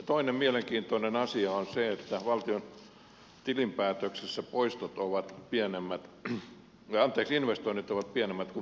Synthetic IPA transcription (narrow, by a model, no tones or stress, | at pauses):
t̪oinemmieleŋkiːnt̪oinenɑsiɑonseet̪ːæʋɑlt̪ion | t̪ilimpæːt̪øksesːæpoist̪ot̪oʋɑt̪pienemːæt̪ | ɑɑnt̪eːksinʋest̪oinit̪oʋɑt̪̚piænemːæt̪ku